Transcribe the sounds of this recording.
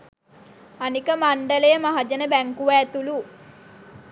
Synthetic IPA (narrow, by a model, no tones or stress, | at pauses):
anikəmaɳɖəlejəmaɦad͡ʒɐnəbæŋkuʋæːt̪ulu